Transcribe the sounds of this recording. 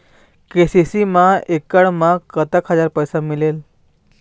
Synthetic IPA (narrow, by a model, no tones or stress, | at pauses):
kesisimaekəɽmakːət̪əkɦəd͡zaɾpəjsamilel